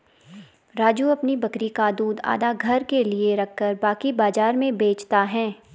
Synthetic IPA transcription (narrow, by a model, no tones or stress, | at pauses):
ɾaːd͡ʒuɐpnibɐkɾikad̪uːd̪a̰ːd̪aɡʱɐɾkelieɾɐkʰːəɾbaːkibaːzaːɾmẽbeːt͡ʃt̪aɦɛ̃ː